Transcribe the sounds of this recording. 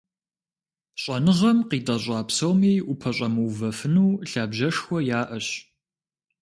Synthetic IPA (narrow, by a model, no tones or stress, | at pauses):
ɕʷʼɐnɨʁɐmqiːdɐʑʷʼɑːpsɐwmiːʔʊpʰɐɕʼɐmɨwvɐfɨnuːɬaːbʒɐʂxʷɔjaːʔɐɕ